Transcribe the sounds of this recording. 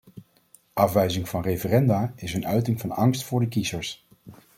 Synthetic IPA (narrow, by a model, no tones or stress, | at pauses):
ʔɑfʋɛjzɪŋvɑnrejvərɛndaːɪsənœɥtɪŋvɑnɑŋstfʊːɹdəkizəɹs